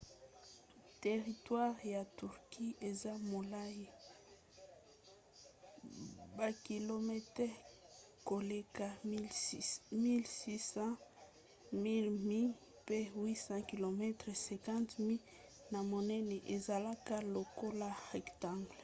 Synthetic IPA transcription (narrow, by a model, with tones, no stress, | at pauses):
te˨ʁi˨twa˦ʁja˨tu˨ʁki˦e˨za˦mo˨la˦ji˦ | ba˨ki˨lo˨mɛ˦tɛ˦ | ko˨le˦ka˨ | mi˦lsi˦sɑ̃˦ | mi˦lmi˦ | pe˦wi˦sɑ̃˦ki˨lo˨mɛ˦tʁe˨sɛ̃˨kã˦ntmi˦l | na˨mo˨nɛ˦nɛ˨ʔe˨za˨la˦ka˦lo˨ko˦la˦ʁɛ˨ktã˦˨ŋɡl